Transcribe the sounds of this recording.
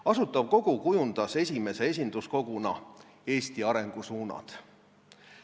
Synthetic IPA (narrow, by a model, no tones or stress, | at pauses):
ɑsut̪ːˑɑb̥̚ko̞ɡ̥ukujund̪̥ɑse̞sʲime̞se̞e̞s̬ʲind̪̥usko̞ɡ̥unɑ | e̞ːst̪iɑɾe̞ŋɡ̥usuːnɑ̰d̪̥